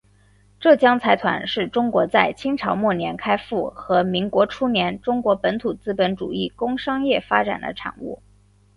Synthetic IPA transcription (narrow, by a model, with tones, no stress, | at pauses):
ʈ͡ʂɤ˥˩t͡ɕjɑ˥ŋt͡sʰa˧˥ɪt̪ʰwa̰˧˥nʂɻ̩˥˩ʈ͡ʂʊ˥ŋkwɔ˧˥t͡sa˥˩ɪt͡ɕʰi˥ŋʈ͡ʂʰɑ˧˥ʊmwɔ˥˩njɛ˧˥nkʰa˥ɪfu˥˩xɤ˧˥mi˧˥ŋkwɔ˧˥ʈ͡ʂʰu˥njɛ˧˥nʈ͡ʂʊ˥ŋkwɔ˧˥pə˧˥nt̪ʰu˨˩t͡sɹ̩˥pə˧˥nʈ͡ʂṵ˨˩i˥˩kʊ˥ŋʂɑ˥ŋjɛ˥˩fa˥ʈ͡ʂa̰˨˩nd̪ə̰˦ʈ͡ʂʰa̰˨˩˦nṵ˥˩